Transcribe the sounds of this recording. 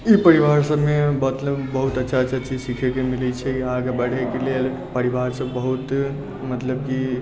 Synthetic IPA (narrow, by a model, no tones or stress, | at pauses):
ipəɾiʋaɾsəbmebət̪ləbːəɦut̪ətːʃʰatːʃʰat͡ʃid͡ʒsikʰekemilɛt͡ʃʰɛkiaɡəbəɽ̤ɛkelel | pəɾiʋaɾsəbːəɦut̪ | mət̪ləb̚ki